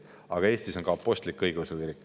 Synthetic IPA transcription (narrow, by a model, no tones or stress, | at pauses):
ɑɡ̥ɑe̞ːst̪iso̞nɡ̥ɑɑpːˑo̞st̪likːɤjɡusviɾik